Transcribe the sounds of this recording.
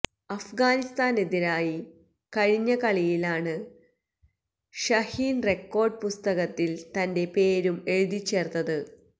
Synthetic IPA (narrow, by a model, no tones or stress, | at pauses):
ɐfɡaːnist̪aːneðinaːji | kɐɻiɲːɐkɐɭijilaːɳɨ | ɕɐhiːnre̞kːo̞ːrɖ̚pust̪ɐɣɐt̪ːilt̪ɐnde̞pe̞ːɾume̞ɻuðit͡ɕːe̞ːrt̪ːɐðɨ